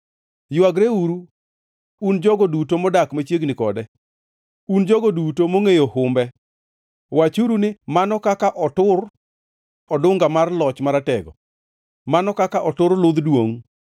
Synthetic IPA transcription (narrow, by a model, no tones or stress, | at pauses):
jʊaɡɾeuɾu | und͡ʒɔɡɔdutomɔdakmat͡ʃjeɡnɪkɔdɛ | und͡ʒɔɡɔdutomoŋejohʊmbɛ | wat͡ʃuɾunɪmanɔkakaʔɔtʊr | ɔdʊŋɡamarlɔt͡ʃmaɾatɛɡɔ̰ | manɔkakaʔɔtʊɾlʊd̪dwoŋ